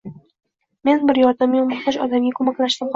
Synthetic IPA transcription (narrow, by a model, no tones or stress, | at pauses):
me̞nbɪɾjɒɾd̪amʊmɑχt̪aʃɒd̪amɡʲakʰomakʲlaʃt̪ɪmqʰ